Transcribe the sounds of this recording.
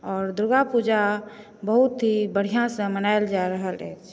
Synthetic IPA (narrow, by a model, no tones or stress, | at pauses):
ɔːɾd̪ɾuɡapud͡ʒa | bəɦut̪ɦibəɽ̤ijãsə̃mənaeld͡ʒaɾəɦəlɛ̰t͡ʃʰ